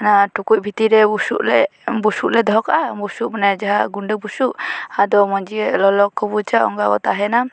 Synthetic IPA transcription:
naʈukuc̚ˀbʱit̪iɾɛbusuʔlɛ̰busuʔlɛd̪ɔɔkabusuʔmanad͡ʒaɦaɡuɳɖəbusuʔad̪ɔmɔɲd͡ʒiɛlɔlɔkːɔbut͡ʃaʔɔ̰ŋɡaɡɔt̪aɦɛna

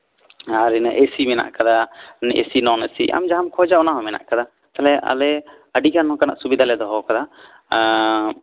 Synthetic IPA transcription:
aɾinəʔesimɛna̰ʔkad̪anʔḛsinɔnesiʔa̰md͡ʒaɦamkʰɔd͡ʒaɔnaɦɔmɛna̰ʔkad̪a | t̪alɛʔa̰lɛ | əɖikanɔ̃kanaʔsubid̪ʱalɛd̪ɔɦɔkad̪a

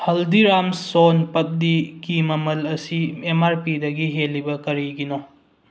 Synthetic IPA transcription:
hɐldiɾamsonpɐp̚dikimɐmɐlɐsiemaɾpidɐɡiɦelːibɐkɐɾiɡino

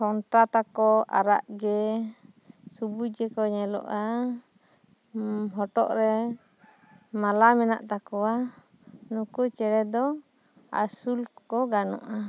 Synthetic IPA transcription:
hɔnʈat̪akɔa̰ɾa̰ʔɡɛ | subud͡ʒɛkɔɲɛlɔ̰ʔa | ɦɔʈɔ̰ʔɾɛ | malamɛna̰ʔt̪akɔwa | nukut͡ʃɛɽɛd̪ɔ | a̰sulkɔɡanɔ̰ʔa

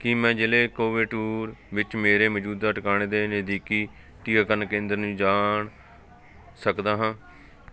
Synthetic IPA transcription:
kɪmɛ̃ːd͡ʒɪleːkoːʋɪʈuːɾʋɪt͡ʃmeːɾeːməd͡ʒuːd̪aːəʈkaːɳ̃eːd̪eːnəd̪iːkiː | ʈiːaːkəɾnkẽːnd̪əɾnũːd͡ʒaːɳ | səkd̪aːɦãː

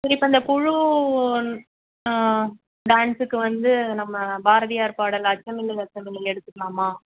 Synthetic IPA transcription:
sɐɾiɪpːoːɐnd̪ɐpʊɻu | ɖaːnsɯkːɯʋɐnd̪ɯnɐmːɐbaːɾɐðɪjaːɾpaːɽɐlɐt͡ʃːɐmɪlːɪlɐt͡ʃːɐmɪlːɪlɛɽɯt̪ːɯkːɐlaːmaː

